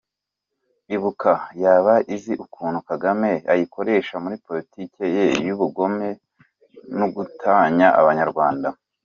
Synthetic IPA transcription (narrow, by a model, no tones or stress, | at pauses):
iβukajaːβaʔiziʔukʰuːnhukaɡame̞ajikʰo̞ɾe̞ːʃamuɾipo̞litikejejuβuɡo̞me̞ | nuɡutʰaɲaʔa̰βaɲaɾɡwaːnda